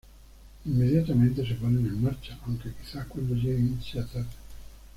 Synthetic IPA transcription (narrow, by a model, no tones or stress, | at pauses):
imːed̪jat̪ament̪es̬epɔnenoimːart͡ʃaaŋkek̟i̥sːakːwelːokɛiinsat̪a